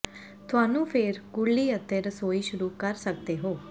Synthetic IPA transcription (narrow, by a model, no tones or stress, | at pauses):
t̪ʰʊaːnũːpʰeːɾkʊɭːiːət̪ːeːɾəsoːiːʃʊɾuːkəɾsək̚d̪eːɦoː